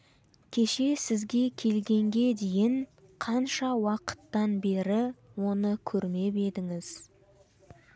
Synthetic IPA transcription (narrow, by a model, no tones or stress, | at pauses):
kʲʰe̞ʃe̞sɪzɡʲe̞kʲʰe̞lɡʲe̞ŋɡʲe̞d̪e̞jɪɴ | qʰɑnʃɑwɑqə̥t̪ːɑnbe̞ɾɪwo̞nəkʲʰɵɾme̞be̞d̪ɪŋɪz̥